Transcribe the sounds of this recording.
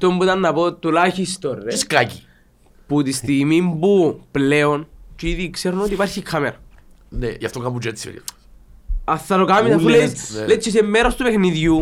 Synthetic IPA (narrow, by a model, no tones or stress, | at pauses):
t̪ombut̪anːapot̪ːulaçist̪oreiskaki | put̪ist̪imimbupleont͡ʃiðikseɾnot̪ipaɾçikʰːameɾ | nɛ̰ia̰ft̪ɔŋkapud͡ʒɛsiɛ̰ɾḭ | aθːaɾokamisafullɛt͡ʃːis̬emːeɾost̪upexniðju